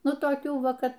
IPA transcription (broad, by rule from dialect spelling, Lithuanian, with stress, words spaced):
ˈnʊ toːˈkʲuː ˈʋɐ ˈkɐ